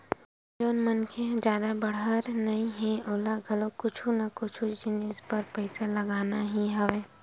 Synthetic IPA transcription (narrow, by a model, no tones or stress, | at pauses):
d͡ʒoːnmɐnkʰed͡ʒjaːd̪abɐɽəɾnɐĩɦɛ̃ʔoːlaɡʱɐlokʊt͡ʃʰũnakʊt͡ʃʰud͡ʒɪnɪspɐɾpɐɪsalɐɡaːnaɦiɦɐʋeː